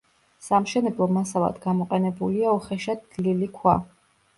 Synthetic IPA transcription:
samʃɛnɛblˠɔmasava̰d̪ɡamɔqʼɛnɛbuliaɔχɛʃad̪lilikʰwa

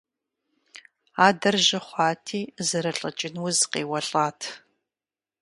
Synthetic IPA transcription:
aːdɐrʒɐχʷɑːtʰiːzɨɾɐɬʼɐt͡ʃʼɪnwʊzqeːwɐɬʼaːtʰ

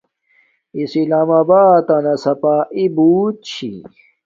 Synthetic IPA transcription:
isilaːmaːbaːt̪anɐsɐpaːʔibuːt̪̚t͡ɕʰḭ

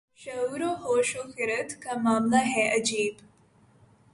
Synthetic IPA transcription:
ʃɐuːɾoɦoːʃoxɪɾət̪kamaːmlaɦɛʔɐd͡ʒiːb

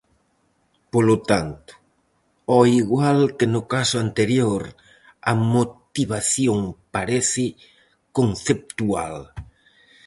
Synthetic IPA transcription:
polot̪ant̪ʊ̥ | ɔiɣwalkenʊkasʊant̪eɾjoɾ | ɐmot̪iβaθjoŋpaɾeθɪ | konθep̚t̪ua̰l

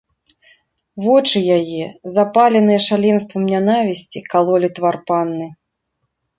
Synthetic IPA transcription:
vɔt͡ʂɨjajɛzapalʲɛnɨjɛʂalʲɛnst̪vɐmnʲanavʲisʲt͡sʲikalˠɔlʲit̪varpanːɨ

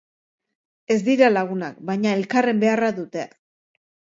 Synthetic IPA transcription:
e̞zd̪iɾalaɣ̞unak̚bajɲae̞lkare̞mbe̞araðut̪e̞

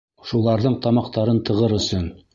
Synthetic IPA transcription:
ʃulˠɑɾðɤɴt̪ɑmɑqt̪ɑɾɤnt̪ɤ̆ʁɤɾɵ̆sɵn

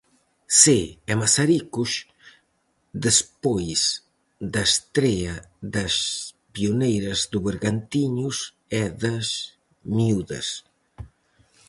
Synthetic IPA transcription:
seɛmasaɾikus | d̪espojs | d̪ɐest̪ɾɛɐðɐs | piunejɾɐzd̪uβeɾɣant̪iɲus | ɛðɐs | miuðɐ̰s

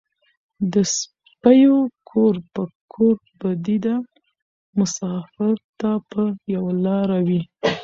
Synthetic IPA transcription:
d̪əs | pajokʰoɾpəkʰoɾ | bad̪id̪a | mʊsɑfɪɾt̪apəjawalɑɾawi

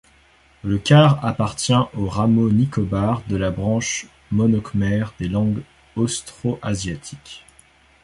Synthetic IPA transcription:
ləkʲaʁapaʁt̪jɛ̃ʔoʁamonikɔbaʁd̪əlabʁɑ̃ʃ | mɔnɔkmɛʁd̪elɑ̃ɡ | ɔst̪χoʔazjat̪ʰi̥kʲ

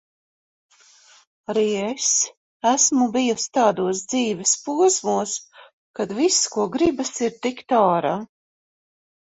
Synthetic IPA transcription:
aɾies | æsmubijust̪aːd̪uɔs̬d̪ziːvʲɛspuɔsmuɔs | kad̪viskuɔɡɾibasiɾt̪ikt̪aːɾaː

